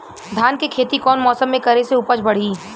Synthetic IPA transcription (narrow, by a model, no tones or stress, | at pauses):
d̪ʱjaːnkekʰeːt̪ikɔːnmɔːsəmːẽkɐɾeseupət͡ʃbɐɽ̤iː